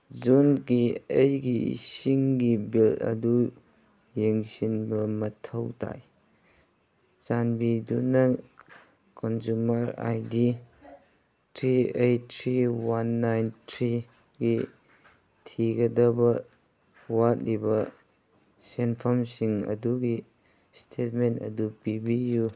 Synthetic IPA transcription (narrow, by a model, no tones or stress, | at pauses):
zunɡiejɡiḭsiŋɡibilɐ̰du | jeŋsinbɐmɐtʰɐwtʰa̰j | t͡ʃanbidunɐ | kɔnzumɐɾa̰jdi | tʰɾiejtʰɾiwanːajntʰɾi | ɡi | tʰiɡɐdɐbɐ | wat̚libɐ | senpʰɔmsiŋɐ̰duɡi | stʰet̚mentɐ̰dupibiju